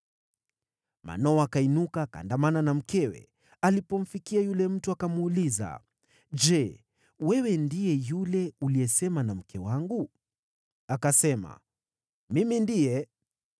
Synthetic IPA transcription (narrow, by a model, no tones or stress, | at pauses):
ma̰nɔakainukaka̰ndamananam̩kɛwɛ̰ | alipɔm̩fikiajulɛm̩tuakamuːliza̰ | d͡ʒɛ | wɛwɛndijɛjulɛuliɛsɛmanam̩kʰɛwaŋɡu | akasɛma̰ | mimindijɛ